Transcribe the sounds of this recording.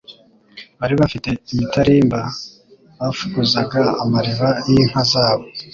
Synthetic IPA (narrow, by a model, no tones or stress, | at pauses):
βaɾiβafite̞imitaɾiːmba | βafuɡuzaɡaamaɾeβajin̥hazaːβo̞